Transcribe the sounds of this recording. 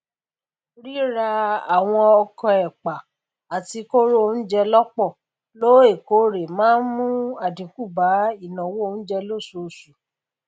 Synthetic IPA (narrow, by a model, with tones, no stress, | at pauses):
ɾi˦ɾa˧a˨w̃ɔ̃˧ɔ˧kɔ̃˧ɛ˨k͡pa˨ | a˨ti˧ko˦ɾo˦o˧n̩˦d͡ʒɛ˧lɔ˦k͡pɔ˦˨ | lo˦e˦˨ko˨˦ɾe˨mãː˦n̩˦mũ˦a˨dĩ˨ku˦˨ba˨˦i˦˨nã˨wo˦o˧˦ñ̩˦d͡ʒɛ˧lo˦˨so˨su˨